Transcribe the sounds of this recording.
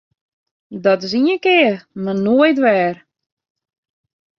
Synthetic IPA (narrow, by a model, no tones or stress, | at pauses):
dɔtɪs̬iənkɪːərmanoəjtʋɛːr